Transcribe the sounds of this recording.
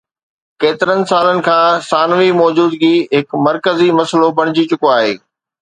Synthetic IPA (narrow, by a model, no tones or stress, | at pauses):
keːt̪ɪɾənɪ̆saːlənɪ̆kʰãːsaːnʋimɔːd͡ʑuːd̪ɡiɦɪkmɐɾkəzimɐslopɐɽ̃ɪd͡ʑit͡ɕʊkoaːɦḛː